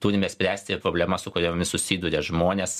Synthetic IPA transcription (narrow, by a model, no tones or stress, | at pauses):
t̪uːɾʲɪmʲɛsʲpʲɾʲæːsʲt̪ʲɪɪpɾoːbʲlʲɛmɐsʊkʊɾʲoːmʲɪsʊsʲiːd̪uːɾʲeʒmoːnʲeːs